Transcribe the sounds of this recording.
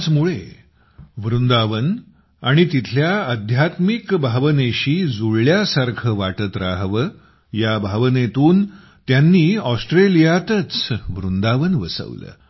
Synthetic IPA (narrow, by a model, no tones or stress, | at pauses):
t͡smuɭe | ʋɾund̪aʋən | aɽ̃it̪it̪ʰljaəd̪ʱjat̪mikbʱaʋəneɕiːd͡zuɭljasaɾkʰəʋaʈət̪ɾaɦʋə | jabʱaʋnet̪uːn | t̪janːiːɔsʈɾelijat̪ət͡sʋɾund̪aʋənʋəsə̰ʋlə̰ː